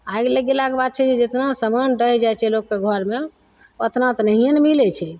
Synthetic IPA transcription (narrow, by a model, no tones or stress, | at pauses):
ajɡləɡelakebad̪̚t͡ʃʰɛd͡ʒed͡ʒet̪nasəmanɾəɦɛd͡ʒajt͡ʃʰɛlokːeɡʱəɾme | ət̪nat̪ɔnəɦijənmilɛt͡ʃʰɛ